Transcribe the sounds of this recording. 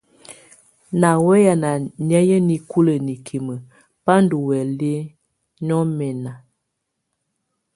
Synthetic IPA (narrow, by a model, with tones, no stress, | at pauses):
na˨wɛ˦ja˨na˨ɲɛ˦jə˦ni˨ku˦lə˨ni˨kʰi˨mə˨ | pa˦n˦du˨wɛ˨le˦ | ɲɔ˦mɛ˨na˨